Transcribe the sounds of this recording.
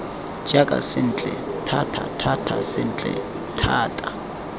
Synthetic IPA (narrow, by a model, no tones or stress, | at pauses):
d͡ʒ̥ʼakʼa̰sɪn̩t͡ɬʼɛtʰatʰa̰tʰatʰasɪn̩t͡ɬʼɛ̰ | tʰaːtʼa